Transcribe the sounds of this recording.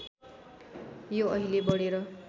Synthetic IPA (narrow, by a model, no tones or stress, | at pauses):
joʌɦilebʌɽeɾʌ